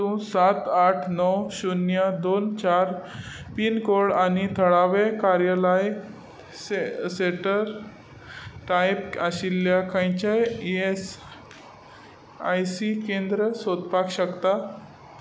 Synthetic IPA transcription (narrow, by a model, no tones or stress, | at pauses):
t̪ũsat̪aʈʰnɔwɕunjəd̪ont͡ɕaɾ | pinkoɽanit̪ʰəɭaʋekaɾjalaj | seʈəɾ | ʈajpaɕilːjakãjt͡ɕaes | ajsikend̪ɾəsod̪pakɕəkt̪a